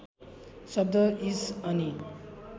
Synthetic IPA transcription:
sʌb̚d̪ʌisʌni

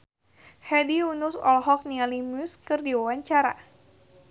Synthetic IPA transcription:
hɛdiunusɔ̰lɦɔk̚nialimuskɨrdiwawaɲt͡ʃaɾa̰

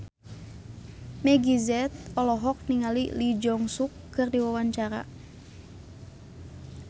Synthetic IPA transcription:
mɛɡizɛt̪̚ɔlɔɦɔk̚niŋalḭlid͡ʒɔŋsukːɨrdiwawaɲt͡ʃaɾa̰

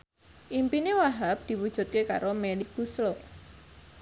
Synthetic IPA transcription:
ʔimpinewaɦap̚d̪̥i̤wud̥ʒ̥ṳt̪̚keka̰ɾʔomelik̚b̥usɾo

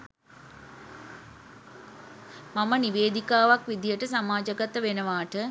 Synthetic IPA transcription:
maməniʋeːd̪ikaːʋakʋid̪ijəʈəsamaːd͡ʒəɡat̪əʋenəʋaːʈə

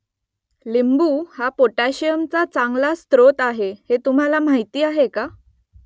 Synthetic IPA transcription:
limbuːhapoʈaɕijəmt͡sat͡sãŋɡlast̪ɾot̪aɦehet̪um̤alam̤aɦit̪iːaɦeka

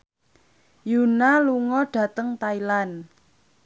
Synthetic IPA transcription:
junaluŋɔɖ̥a̤t̪əŋt̪ailan

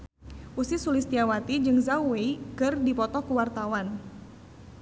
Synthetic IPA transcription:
usisulist̪iawat̪id͡ʒɨŋzauweikɨrdipɔt̪ɔkuwart̪awan

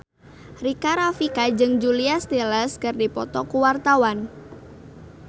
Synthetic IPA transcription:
rikaɾafikad͡ʒɨŋd͡ʒuliast̪elɛskɨrdipɔt̪ɔkuwart̪awan

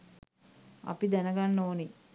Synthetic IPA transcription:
ɐ̰pid̪ænəɡanːoːni

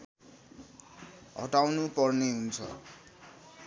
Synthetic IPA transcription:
ɦʌ̰ʈawnupʌrneɦunt͡sʰʌ

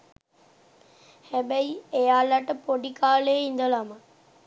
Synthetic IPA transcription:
hɛbɛjejaːlɐʈəpoɖikaːleːind̪əlamə

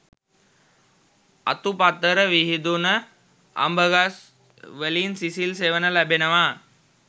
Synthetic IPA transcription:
a̰t̪upat̪ːəɾəʋiɦid̪unə | a̰mbəɡas | ʋelinsisilseʋənəlæbenəʋa

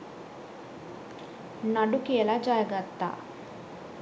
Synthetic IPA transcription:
nɐɖukeːlaːd͡ʒaːjɐɡɐt̪ːa̰

